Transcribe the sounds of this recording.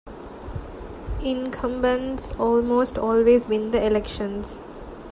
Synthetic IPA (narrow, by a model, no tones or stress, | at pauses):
ɪ̃nkʰə̃mbə̃nzɔːlmoːsʈɔːlʋeːzbĩnd̪əɪlɛkʃə̃nz̥